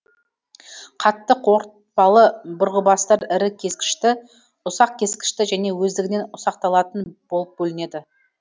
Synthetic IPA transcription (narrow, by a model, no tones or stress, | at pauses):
qʰɑt̪ːəqwo̞ɾt̪̚pɑlˠəbʊɾʁəbɑst̪ɑɾɪɾɪkʲʰe̞skʲɪ̥ʃt̪ɪ | ʊsɑq̚kʲʰe̞skʲɪ̥ʃt̪ɪʒæne̞wɵzd̪ɪɡʲɪne̞nʊsɑqt̪ɑlˠɑt̪ənb̥olˠəp̚bɵlɪne̞d̪ɪ